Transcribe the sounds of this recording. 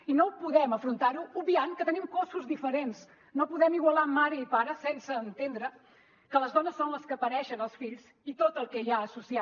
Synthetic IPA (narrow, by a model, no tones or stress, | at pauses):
inopuðɛməfɾunt̪aɾuubiankət̪ənimkosuzðifəɾens | nopuðɛmiɣwəlamːaɾiiːpaɾəsɛnsəːnt̪end̪ɾə | kələzðɔnəsːonləskəːpəɾɛʃənəlˠsfiʎz | it̪ot̪əlˠkɛʒaəsusia